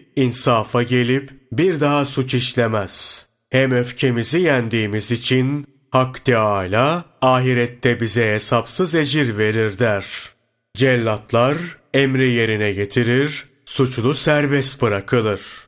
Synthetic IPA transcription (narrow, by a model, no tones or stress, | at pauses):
insafaɟe̞lʲipbiɾd̪aɦasut͡ʃiʃlʲemɛz̥ | hæmøfcʰe̞mizijænd̪iːmizit͡ʃʰin | hakʰːt̪ɛaːjlʲaaːɦiɾɛt̪ʰːɛbizɛɦesapsɯze̞d͡ʒiɾve̞ɾiɾd̪æɾ̥ | d͡ʒɛlʲːat̪ʰlˠaɾɛmɾije̞ɾinɛɟe̞t̪ʰiɾiɾ | sut͡ʃlˠusæɾbɛst̪̚bɯɾakʰɯlˠɯɾ̥